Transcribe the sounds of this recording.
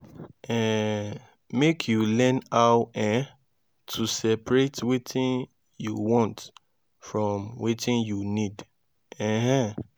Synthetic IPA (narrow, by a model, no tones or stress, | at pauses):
ɛ̃ | mekʰjulɛ̃nawɛ̃ | tʰusɛpɹetwitʰĩn | jṵwɔ̃nt | fɹɔ̃mwitĩnjunid | ɛ̃ɦɛ̃